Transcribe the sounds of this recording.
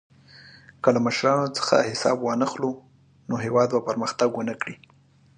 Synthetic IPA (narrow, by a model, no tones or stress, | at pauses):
kəlaməʃɾɑnot͡sə̥xa̰hɪsɑ̰bwɑnəxlo | noɦewɑd̪bapəɾməxt̪aɡwənəkɽi